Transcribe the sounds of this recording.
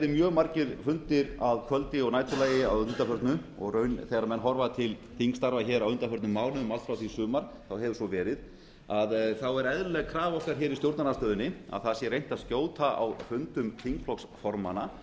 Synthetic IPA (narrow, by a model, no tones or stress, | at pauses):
ɾɪmjœːɣmaɾcɪɾfʏnt̪ɪɾaðkʰvœlt̪ɪɔɣnaːjt̪ʰʏlaːjɪawʏnt̪afœɾt̪nʏɔ̰ɣrœːɥnθeɣɾamɛnːɦɔɾvat̪ʰɪlθiŋst̪aɾvaçɛːɾawʏnt̪afœɾt̪nʏmːaːwnʏʏmalt̪fɾawθisʏːmaɾ̥ | θawɦɛvʏsvɔvɛːɾɪð | aðθawɛɾɛðlɛɣkʰɾaːvɔhkaɾ̥çɛːɾist̪jowɾt̪nanast̪œːðʏnːɪa̰ðθasjɛrejn̥t̪aðscjoːwt̪aʔa̰wfʏnt̪ʏmk̪ʰiŋkpʰlɔksfɔɾma̰na